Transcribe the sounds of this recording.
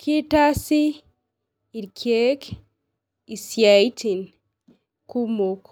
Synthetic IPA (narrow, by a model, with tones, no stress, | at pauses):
kʰi˦ta˦si˦ | i˨ɾkʰe˦k | i˨sja˨i˦tʰi˨n | ku˦mo˨k